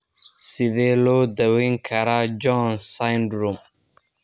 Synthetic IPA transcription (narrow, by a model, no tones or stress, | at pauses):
sɪðɛːlɔːd̪ɐwɛŋkʰɐɾad͡ʒɔnsajnd̪ɾʊm